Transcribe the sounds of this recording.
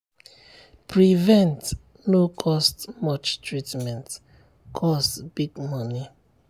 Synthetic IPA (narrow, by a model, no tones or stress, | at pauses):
pɹivɛ̃nt | nokʰɔstmɔt͡ʃtɹitmɛ̃nt | kʰɔstb̥iɡmɔni